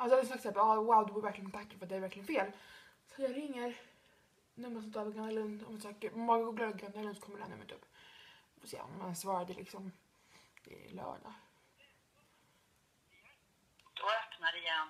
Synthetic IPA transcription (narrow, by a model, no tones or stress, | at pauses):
alsɔad̪ɛnsɑksɛpːɑːwawd̪ɵvɔɾvæɾklɪɡənt̪ʰakːafœat̪̚d̪æɾvæɾklɪɡənfeːl | sɔt̪jɑːɾɪŋːəɾ | nɵmːəsɔmt̪ʰɑːɾpɔɡanalɵnd̪ɔmnsɑkəɾmɔːɡaɡuːɾɡlɑd̪ɡand̪alɵnd̪sɔkʰɔmːɾɖɛhæ̰nɵ̰mːət̪ɵ̰pː | ɔsḛːɔ̰mmansvɑːɾad̪əlʔɪ̰ksɔm | ɪ̰lœ̰ːɖa̰ | d̪̥ɔœpnaɾɪjɛn